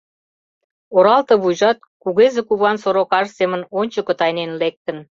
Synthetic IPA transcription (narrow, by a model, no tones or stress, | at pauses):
oɾɑlt̪ɤ̆βujʒɑt̪̚kuɣezekuβɑnsoɾokɑʒsemə̆nonʲt͡ɕə̆kə̆t̪ɑjnenlek̚t̪ə̆n